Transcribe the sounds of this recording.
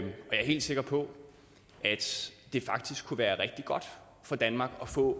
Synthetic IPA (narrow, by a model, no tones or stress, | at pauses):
mɒ̽jɑ̈æɐɦe̝̰ld̥se̝ɡ̥ɐpʰɒ̽ | ʔæd̥d̥e̝fɑ̈ɡ̥̚d̥isɡ̥kʰːuʋæːɐʁɛɡ̥̚d̥iɡ̥ɒ̽d̥ | fɒ̽d̥ænmɑ̈ːɡ̥ɒ̽fɔ̰̽ː